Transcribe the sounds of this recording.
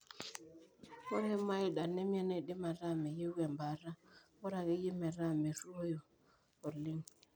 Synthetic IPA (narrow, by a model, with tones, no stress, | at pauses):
o˦ɾɛ˦ma˦i˦ɗa˨ne˦mja˦na˦i˨ɗɪ˦ma˨ɾa˦˨mɛ˨je˦we˨mba˨ɾa˦wo˦ɾa˨ke˦ji˦mɛ˨ɾa˦˨me˨ɾu˦o˦jo˨ | o˨lɪ˦ŋ